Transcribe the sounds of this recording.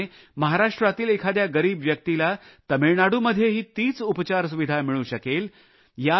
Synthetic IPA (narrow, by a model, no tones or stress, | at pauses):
e | məɦaɾaʂʈɾat̪iːlekʰad̪jaɡəɾiːbʋjək̚t̪ilat̪əmiɭɳaɽuːməd̪ʱːjeɦiːt̪iːt͡supt͡ɕaɾs̬uʋid̪ʱamiɭuːɕəkel | ja